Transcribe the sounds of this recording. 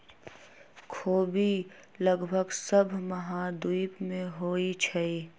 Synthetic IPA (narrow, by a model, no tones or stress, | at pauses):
kʰoːbiləɡbʱəɡsəbʱməɦãd̪uipmẽɦoːit͡ʃʰɛi